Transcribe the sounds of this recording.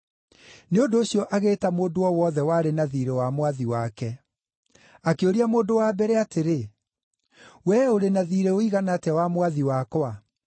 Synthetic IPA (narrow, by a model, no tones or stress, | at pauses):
neondoːɕijɔʔaɣeːtamoːdoɔwɔðɛwaɾenaðiːɾewamwaðiwakɛ | akeoɾiamoːndowaːbɛɾeateɾe | wɛoɾenaðiɾeoiɣanatɛwamwaðiwakɔa